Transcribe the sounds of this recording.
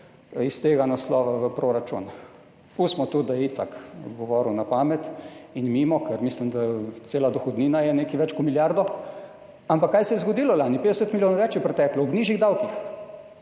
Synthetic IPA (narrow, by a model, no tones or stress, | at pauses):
ist̪eːɡanaslɔːʋaʋəpɾoɾat͡ʃṵn | usmɔt̪ud̪ajit̪ak̪ɡɔʋɔːɾunapaːmɛt̪inmiːmɔkʰɛɾmislimd̪at͡sseːlad̪ɔxɔd̪niːnajɛneːkiʋɛt͡ʃkɔmiljaɾd̪ɔ | ampakːajsɛjɛzɡɔd̪iːlɔlaːnipeːd̪ɛsət̪miljoːnʋɛt͡ʃjɛpɾɛt̪ɛklɔɔbniːʒiɣd̪awkix